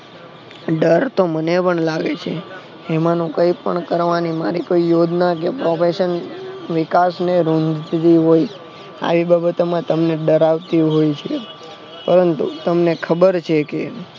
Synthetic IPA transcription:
ɖəɾt̪omənepəɳlaɡet͡ʃʰe | emanũkəipəɳkəɾʋanimaɾikoijod͡ʒ̪nak̬epɾofeʃənʋɪkasneɾũnd̪ʱt̪t̪iɦoj | a̰ʋibabət̪omãt̪əmneɖəɾaʋt̪iɦojt͡ʃʰe | pəɾənt̪ṵt̪əmnekʰəbəɾt͡ʃʰeke

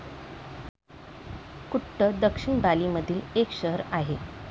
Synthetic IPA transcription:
kuʈːəd̪əkʂiɳbaliməd̪ʱiːlekɕəɦəɾaɦe

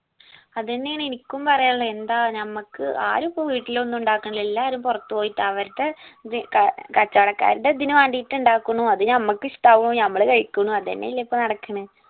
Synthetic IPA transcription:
ɐðenːeaːɳenikʲːumpɐrɐjaːɭːend̪aːnɐmːɐkːɨʔa̰ːɾupːoʋiːʈːilo̞nːuɳɖaːkːuɳɐilelːaːɐɾumpurɐt̪ːɨpoːjiʈːaʋɐɾuʈːeikkɐt͡ɕːɐʋɐɽɐkːa̰ːɾuʈːed̪inuʋaːɳɖijiʈːuɳɖaːkːuɳːuɐðɨnɐmːɐkːɨisʈaːʋuɳːunɐmːɐɭkɐɻikʲːuɳːuɐðḛnːḛjilːɐipːonɐɽɐkːɐɳɨ

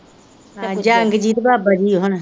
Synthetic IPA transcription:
ad͡ʒaːəŋɡd͡ʒiːt̪baːbad͡ʒiːɦʊn

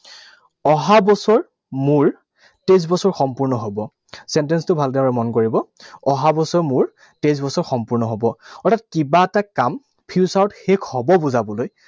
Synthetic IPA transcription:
ɔɦabɔsɔɹ | muɹ | tejs̬bɔsɔɹxɔmpuɹnɔɦobɔ | sɛntɛnstʊbʱaldɛɹɔmɔnkoɹibɔɔɦabɔsɔɹmʊɹ | tejs̬bɔsɔɹxɔmpuɹnɔɦobɔɔɹtʰatkibaɛtakam | pʰiusaɹɔtxekʰhɔbɔbuzabɔloj

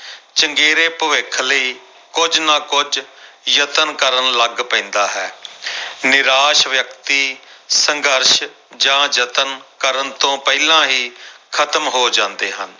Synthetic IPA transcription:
t͡ʃəŋɡeːɾeːpəʋɪkʰləiː | kʊd͡ʒnãːkʊd͡ʒjət̪ənkəɾənləɡpɛ̃ːnd̪aːɦɛː | nɪɾaːʃʋjək̚t̪iːsəŋɡəɾʃ | d͡ʒãːd͡ʒət̪ənkəɾənt̪õːpɛilãːɦiːkʰət̪əmɦoːd͡ʒãːnd̪eːɦən

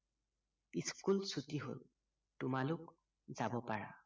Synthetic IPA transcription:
iskulsutiɦo̰l | tʊmalʊk | zabɔpaɹa̰

